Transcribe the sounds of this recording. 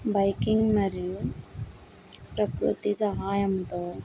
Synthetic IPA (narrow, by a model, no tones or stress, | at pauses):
bɐjkiŋɡmɐɾiu | pɾɐkɾṵt̪isɐɦaːjɐmt̪oː